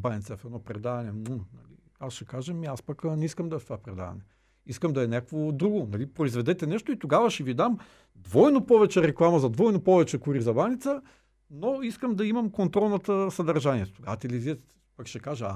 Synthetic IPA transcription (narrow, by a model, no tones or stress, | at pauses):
baɛnt̪sɛfɛnɔpɾɛd̪avɐnɛnunɐli | asʃɛkaʒəmiaspɐknɛiskəmd̪ɐɛft̪ovapɾɛd̪a̰vɐ̰nɛ | iskəmd̪ɐɛnʲakvod̪ɾuɡonɐlipɾoizvɛd̪ɛt̪ɛnɛʃt̪oit̪oɡavɐʃɛvid̪am | d̪vɔjnopɔvɛt͡ʃɛɾɛklˠamɐzɐd̪vɔjnopɔvɛt͡ʃɛkuɾizɐbanit̪sə | noiskəmd̪ɐimɐmkont̪ɾɔlˠnɐt̪əsɐd̪ɐɾʒaniɛt̪oɡavɐt̪ɛliziɛt̪ | pɐkʃɛkaʒəa